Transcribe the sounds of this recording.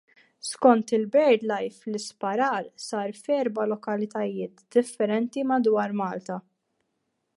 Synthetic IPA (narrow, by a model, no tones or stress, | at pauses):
skɔnt̪ɪlbɛɾd̪lɐjflɪspɐɾɐːɾsɐːɾfɛːɾbɐlɔkɐlɪt̪ɐjɪːt̪d̪ɪfːɛɾɛnt̪imɐd̪wɐːɾmɐːlt̪ɐ